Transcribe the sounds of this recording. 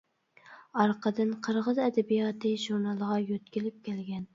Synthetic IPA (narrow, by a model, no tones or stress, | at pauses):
ɑɾqʰəd̪ɨnqʰəɾʁəzɛd̪ɛbijɑt̪ʰɨʒuɾnɑlˠəʁɑjøt̪kʲilɪp̚kʲʰɛlɡʲɛn